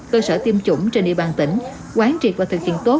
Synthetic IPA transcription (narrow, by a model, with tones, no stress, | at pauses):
kəː˧səː˧˩t̪i˧əmt͡ɕʊ̰˧˩ŋ͡mt͡ɕe˧nʔi˧əɓaː˨˩nt̪ï˧˩ŋ̟ | kwaː˨˦nt͡ɕi˨˩əaː˨˩t̪ʰɨ˨˩k̚hḭ˧˨ənt̪o˦˥